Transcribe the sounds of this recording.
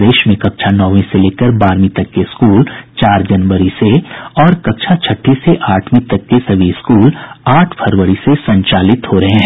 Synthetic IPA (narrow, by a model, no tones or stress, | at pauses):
d̪eːʃmẽkɐkt͡ʃʰanɔːʋẽseleːkəɾbaːɾmĩt̪ɐkːeɪskuːlt͡ʃaːɾd͡ʒɐnʋəɾiseɔːɾkɐkt͡ʃʰat͡ʃʰɐʈʰːiseʔaːʈʰmĩt̪ɐkːesɐbʱiskuːlaːʈʰpʰɐɾʋəɾisesɐ̃ɲt͡ʃaːlɪt̪hoɾɐɦẽɦɛ̃ː